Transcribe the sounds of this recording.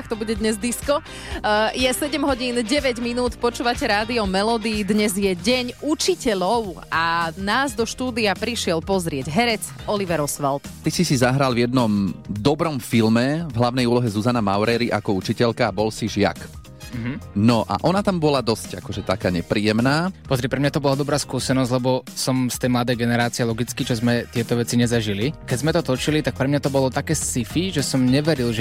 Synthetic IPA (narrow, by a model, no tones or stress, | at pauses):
kt̪ɔbuɟɛd̪ɲɛzd̪iskɔ | jɛsɛɟɛmɦɔɟiːnɟɛʋɛɟminuːt̪pɔt͡ʃuːʋacɛɾaːd̪iɔmɛlɔd̪iːd̪ɲɛzjɛɟɛɲut͡ʃicɛʎɔʊ | anaːzd̪ɔʃt̪uːd̪iapɾiʃɪɛlpɔzɾɪɛɟɦɛɾɛt͡sɔliʋɛɾɔsʋalt̪t̪isisizaɦɾalvjɛd̪nɔmd̪ɔbɾɔmfilmɛvɦlaʋnɛjuːlɔɦɛzuzanamaʊɾɛɾiʔakɔut͡ʃicɛʎkaːbɔlsiʒɪa̰k̩ | ɦ̩nɔʔa̰ʔɔnat̪ambɔlad̪ɔsca̰kɔʒɛt̪akaːɲɛpɾiːɛmnaːpɔzɾiɛpɾɛmɲat̪ɔbɔlad̪ɔbɾaːskuːsɛnɔzɟʲlɛbɔsɔmst̪ɛjmlad̪ɛjɡɛnɛɾaːt͡siɛlɔɡit͡skit͡ʃɔzmɛt̪ɪɛt̪ɔʋɛt͡siɲɛzaʒilikɛzmɛt̪ɔt̪ɔt͡ʃilit̪ak̚pɾɛmɲat̪ɔbɔlɔt̪akɛːsifiʒɛsɔmɲɛʋɛɾilʒɛ